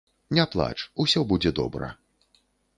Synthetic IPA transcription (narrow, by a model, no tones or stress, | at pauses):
nʲaplˠa̰t͡ʂusʲɔbud͡zʲɛd̪ɔ̰bɾɐ̰